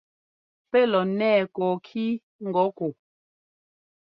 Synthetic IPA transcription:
pɛ˦˨lɔ˨nɛː˦˨kɔː˨kʰi˦ | ŋ̩˨ɡɔ˨˦ko˨

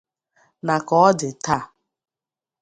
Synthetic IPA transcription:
na˨kɔ˦ɔ˦dɪ˨ta˦˨

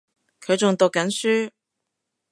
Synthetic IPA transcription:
kʰɵ˨˧ɥt͡sʊ˨ŋt̪ʊ˨kːɐ˨˥nsyː˥

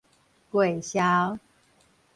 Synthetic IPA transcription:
kwe˨˩ɪɕja˦ʊ

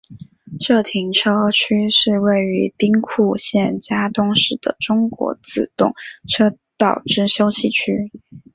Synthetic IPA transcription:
ʂɤ˥˩t̪ʰi˧˥ŋʈ͡ʂʰɤ˥t͡ɕʰy˥ʂɻ̩˥˧we˥˩ɪy˧˥pi˥ŋkʰu˥˧ɕjɛ˥˩nt͡ɕja˥t̪ʊ˥ŋʂɻ̩˥˩d̪ə̰˩ʈ͡ʂʊ˥ŋkwɔ̰˧˥t͡sɹ̩˥˩t̪ʊ̰˥˩ŋʈ͡ʂʰɤ˥t̪ɑ˥˨˩ʊʈ͡ʂɻ̩˥˧ɕjo˥ʊɕi˨˩t͡ɕʰy˥

